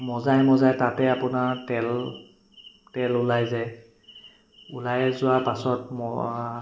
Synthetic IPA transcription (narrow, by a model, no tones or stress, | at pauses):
mɔzaɦɛmɔzajtatɛapʊnaɹtɛl | tɛlʊlajzɛ | ulajzʊwapasɔt̚mɔ